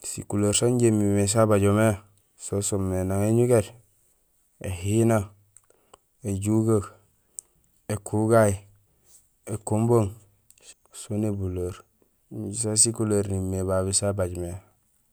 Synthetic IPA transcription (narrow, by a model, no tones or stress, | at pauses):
sḭkulaɾsaɲɟemimes̬abaɟome | sosomːenaŋeɲuɡet | ḛhina | eɟuɡak | ekʰuɡaji | ekumboŋ | sonebuloɾ | ɟisasikulaɾnimːeβaβisabaɟme